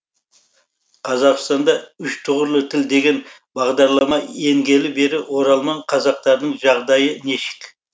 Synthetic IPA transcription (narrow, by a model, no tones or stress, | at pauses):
qʰɑzɑqst̪ɑnd̪ɑʏʃt̪ʰʊʁəɾlˠət̪ʰɪld̪e̞ɡʲe̞n | bɑʁd̪ɑɾlˠɑmɑe̞ŋɡʲe̞lɪbe̞ɾɪwo̞ɾɑlˠmɑɴqʰɑzɑq̚t̪ɑɾd̪əɴʒɑʁd̪ɑjəne̞ʃɪ̥k